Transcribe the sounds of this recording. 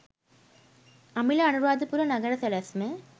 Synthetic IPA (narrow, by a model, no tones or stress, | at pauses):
ɐmɪlɐɐnɯɾʋaːd̪ɯpuɾɐnɐɡɐɾɐsɛlɐsme